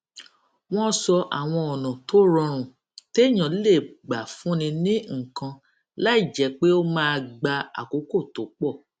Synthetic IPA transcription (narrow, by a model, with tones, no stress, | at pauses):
w̃ɔ̃˦sɔ˧ʔa˨w̃ɔ̃˧ɔ˨nã˨to˦ɾɔ˧ɾ̃ũ˨ | te˦˨j̃ã˨˦le˦˨ɡ͡ba˨fũ˨˦nĩ˧nĩ˦ŋ̩˨kã˧ | la˦i˦˨d͡ʒɛ˨˦k͡pe˦o˦mãː˦˧ɡ͡ba˧a̰˨ko˨˦ko˦˨to˨˦k͡pɔ˦˨